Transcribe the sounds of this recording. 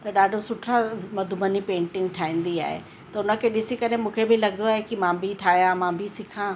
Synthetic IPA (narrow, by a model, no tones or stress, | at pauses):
t̪ɐɗaːɖʱosʊʈʰɾamɐd̪ʱʊmənipẽːɳʈɪ̃ŋɡʈʰaːɦĩːn̆d̪ia̰ːɦḛ | t̪ɐʊnə̆kʰeɗɪsikɐɾemũːkʰebɪlɐɡʱənd̪oaːɦekimãːbʱiʈʰaːɦijãmãːbʱisɪkʰã